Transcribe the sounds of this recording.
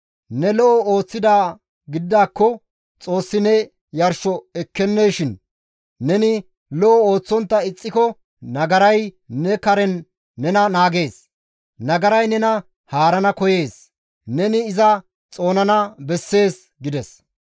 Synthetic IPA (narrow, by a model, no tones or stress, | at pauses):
nɛlɔʔɔoːt͡sːɪd̪aː | ɡɪd̪d̪ːaːkːɔ | t͡sʼo̞ːsːɪnɛ | jɐɾʃɔɛkːɛnːejʃɪnː | ɛnɪ | lɔʔɔo̞ːt͡sːɔnt̪ːɐɪt͡sʼːɪkɔ | nɐɡɐɾɐj | nɛkɐɾɛnː | ɛnɐnaːɡe̞ːs | nɐɡɐɾɐjnɛnɐ | haːɾɐnɐkɔje̞ːs | nɛnɪːzɐ | t͡sʼo̞ːnɐnɐbɛsːe̞ːs | ɡɪd̪ɛs